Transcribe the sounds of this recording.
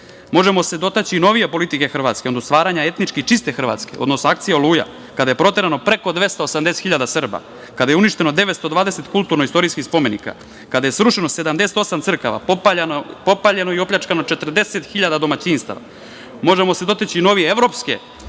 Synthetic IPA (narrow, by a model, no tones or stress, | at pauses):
mo̞ʒemo̞sed̪o̞t̪et͡ɕiːno̞ʋijepo̞lit̪ike̞xr̩ʋat̪skeod̪ost̪ʋaːɾaɲae̞t̪nit͡ʃkit͡ʃist̪e̞xr̩ʋa̰t̪ske̞̰o̞d̪nosnoak̚t̪sijeolˠuːja̰ | kad̪aje̞pɾo̞t̪e̞ɾano̞pɾeko̞d̪ʋe̞st̪aosamd̪eset̪xiʎad̪asr̩ba̰ | kad̪ajeuniʃt̪e̞nod̪e̞ʋet̪st̪od̪vʋaːd̪e̞se̞t̪kulˠt̪uɾnoist̪o̞ɾiskixspo̞me̞nḭka̰ | kad̪aje̞sɾuʃenose̞d̪amd̪eset̪o̞samt̪sr̩kaʋa̰opanpo̞paʎeno̞io̞pʎat͡ʃkanot͡ʃe̞t̪r̩d̪e̞se̞t̪xiʎad̪ad̪o̞mat͡ɕinst̪a̰a̰ | mo̞ʒemose̞d̪o̞t̪et͡ɕiːno̞ʋijeevɾo̞pskḛ